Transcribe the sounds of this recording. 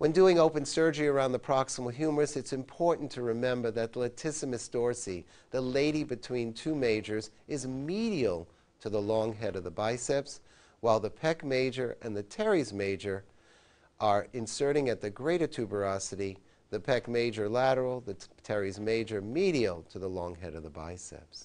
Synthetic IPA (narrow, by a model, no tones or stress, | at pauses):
wʔɨ̃nduɪ̃ŋoʊpɨ̃nsɜ˞d͡ʒə˞iə˞ãʊ̃nðəpʰɹ̥ɑksəml̩ˠɦjʉmə˞ɨsɨtsɨ̃mpʰɔɹʔn̩tʰɨɹɨmɛ̃mbə˞ðɨtˡlɨtʰɪsɨmɨsd̥ɔɹsi | ðəleɪɾibɨtʰw̥ĩntʰʉmeɪd͡ʒə˞zɨzmiɾiəl̩ˠ | tʰɨðəlɔ̃ŋɦɛɾʌvðəbaɪsɛps | waɪlˠðəpʰɛkmeɪd͡ʒə˞ʔɨ̃nðɨtʰɛɹizmeɪd͡ʒə˞ | ʔə˞ɨ̃nsɜ˞ɾɪ̃ŋɨt̪̚ðɨɡɹeɪɾə˞tʰʉbə˞ɑsɨɾi | ðɨpʰɛkmeɪd͡ʒə˞læɾə˞l̩ˠðɨtʰɛɹizmeɪd͡ʒə˞miɾil̩ˠtʰɨðəlɔ̃ŋɦɛɾʌvðəba̰ɪsɛ̰ps